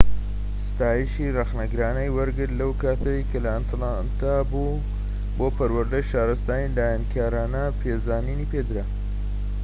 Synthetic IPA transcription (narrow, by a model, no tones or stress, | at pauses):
st̪aːjiʃirɐxnɐɡɾaːnɐjwɐɾɡɨɾlɐwkaːt̪ʰɐjkɐlɐant̪ʰlant̪ʰabu | boːpɐɾwɐɾd̪ɐjʃaːɾɐst̪aːnilaːjankʰaːɾaːnɐpʰeːzaːniniːped̪ɨɾa